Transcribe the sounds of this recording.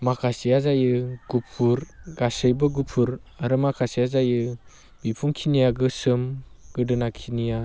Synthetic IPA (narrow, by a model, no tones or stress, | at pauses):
makʰasijazajɯɡ̥upʰuɾɡasɯjbɯɡupʰuɾaɾɯmakʰasijazajɯ | bipʰuŋkʰinijaɡɯsɯmɡ̥ɯdɯnakʰinija